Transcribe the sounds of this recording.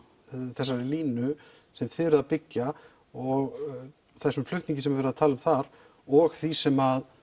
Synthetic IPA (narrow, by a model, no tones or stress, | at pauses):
θɛsːaɾɪliːnʏ | sɛmθɪɾʏðapɪcːa | ɔɣ | θɛsːʏmflʏht̪iɲcɪsɛmvɛɾðaðt̪ʰaːlʏmθaɾ̥ | ɔɣθisɛmað